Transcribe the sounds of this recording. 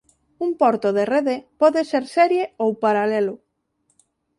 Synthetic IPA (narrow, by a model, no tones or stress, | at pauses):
umpɔɾt̪oðereðepɔðeseɾsɛɾjeowpaɾalɛlʊ